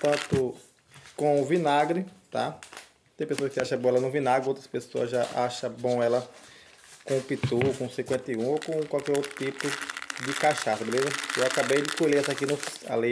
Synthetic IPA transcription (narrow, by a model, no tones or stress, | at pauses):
t̪ɐ̃t̪ʊ | kõvĩnaɡɾɪt̪a | t̪ẽj̃pesoɐkɪsaʃɐbõɛlɐnʊ̃vĩnaɡɾɪowt̪ɾɐspesoɐ̰zʒaʔaʃɐbõw̃ɛlɐ | kõpit̪ukõsĩkwẽnt̪eũokõkwawkɛɾowt̪ɾʊ̥t̪ipʊd̪ɪkaʃasɐbelezɐewakabejd̪ɪkoleɛsakinʊsa̰le